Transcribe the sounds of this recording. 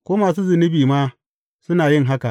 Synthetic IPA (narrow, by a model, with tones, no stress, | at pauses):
kʷoː˦maː˨suː˦zʊ˨nɪ˦biː˨maː˦ | sʊ˦naː˨jɪ˦˨ŋɦa˦ka˨ʔ